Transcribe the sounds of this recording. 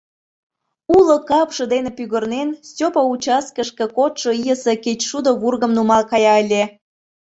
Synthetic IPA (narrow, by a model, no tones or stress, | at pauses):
ulokɑpʃɤ̆d̪enepyɣə̆rnensʲopɑut͡ɕɑskəʃkĕkot̪ʃŏijəseket͡ɕʃud̪oβurɣə̆mnumɑlkɑjɑəlʲe